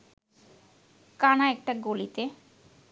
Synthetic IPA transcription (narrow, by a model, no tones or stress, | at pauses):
kanaɛk̚ʈaɡolit̪e